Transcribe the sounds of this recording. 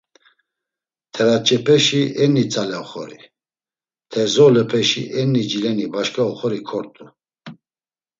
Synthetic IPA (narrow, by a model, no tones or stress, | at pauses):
t̪ʰɛɾat͡ʃʼɛpʰɛʃiɛnːit͡sʼalɛɔχɔ̰ɾḭ | t̪ʰɛzɔlɛpʰɛʃḭʔɛnːid͡ʒilɛnibaʃkʰʼaɔχɔɾikʰɔɾt̪ʼu